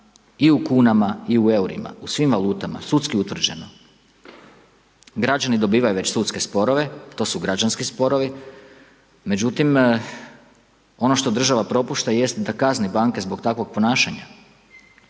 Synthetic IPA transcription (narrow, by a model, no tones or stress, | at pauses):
iukuːnamaiue̞uɾḭma̰usʋimʋalˠuːt̪ama̰sut̪skiut̪ʋr̩d͡ʑe̞no | ɡɾad͡ʒanid̪o̞biːʋajuʋe̞t͡ɕsut̪ske̞spo̞ɾo̞ʋe̞t̪o̞ːsuɡɾad͡ʒanskispo̞ɾo̞ʋi | me̞d͡ʑut̪im | o̞no̞ʃt̪o̞d̪r̩ʒaʋapɾo̞puʃt̪aje̞st̪d̪akaznibaŋke̞zbo̞ɡt̪akʋo̞ɡ̚po̞naːʃaɲa̰